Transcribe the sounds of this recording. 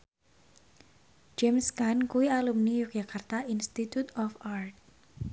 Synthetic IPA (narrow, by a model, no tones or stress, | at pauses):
d͡ʒɛmskankuialumnijuk̚d͡ʒakart̪ainst̪it̪ut̪ɔfart̪̚